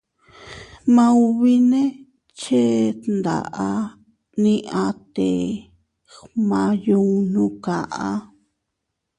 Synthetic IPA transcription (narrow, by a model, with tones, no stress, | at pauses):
mã˦u˧βi˦nẽ˦ | t͡ʃe˦nd̪a̰˨ʔa˧ | nĩ˦ʔã˧t̪e˨ | mã˧ju˧nũ˧˦ka˨ʔa˦